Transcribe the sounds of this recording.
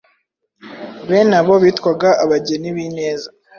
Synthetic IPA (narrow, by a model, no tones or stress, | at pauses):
βenaβo̞βiːtkwaɡaʔaβaɟe̞niβine̞ːza